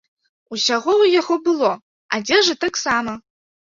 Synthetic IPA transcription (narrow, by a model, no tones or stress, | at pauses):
uɕaʁʷowijʲaχobɨlˠo | a̰dʲeʐatʰaksamɐ